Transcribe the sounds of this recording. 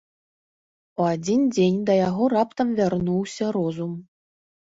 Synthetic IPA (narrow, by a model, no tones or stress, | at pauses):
oadʲindʲenʲd̪ɑjaʁorɑpt̪əmvʲarnuwsʲɐɾozum